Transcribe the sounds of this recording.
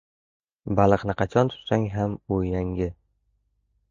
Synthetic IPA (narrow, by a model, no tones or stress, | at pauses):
balˠɨqnɪqʰɑt͡ʃʰɒnt̪ʰʊ̥t̪saŋɦamʊjaŋɡɪ